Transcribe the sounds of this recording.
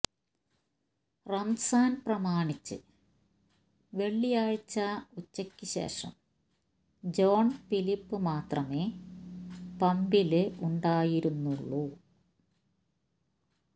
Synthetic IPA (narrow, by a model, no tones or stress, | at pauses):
rɐmsaːnprɐmaːɳit͡ɕːɨ̰ | ʋe̞ɭːijaːɻt͡ɕːɐut͡ɕːɐkʲːɨɕe̞̰ːʂɐ̰m | d͡ʑo̞ːɳfilipːɨmaːt̪rɐme̞ː | pɐmbilɨuɳɖaːjiɾunːuɭːu